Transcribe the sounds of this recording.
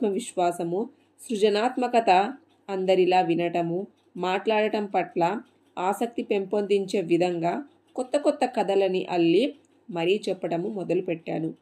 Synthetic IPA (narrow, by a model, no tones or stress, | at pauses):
mɐʋiʃʋaːsɐmu | sɾud͡ʒɐnaːt̪mɐkɐt̪ɐː | nd̪ɐɾilaːʋinɐʈɐmu | maːʈlaːɽɐʈɐmpɐʈlɐ | aːsɐk̚t̪ipe̞mpond̪iɲt͡ʃe̞ːʋid̪ʱɐŋɡaː | kɔt̪ːɐkɔt̪ːɐkɐd̪ɐlɐniʔɐlːi | mɐɾit͡ʃɛpːɐʈɐmumɔd̪ɐlupɛʈːa̰ːnu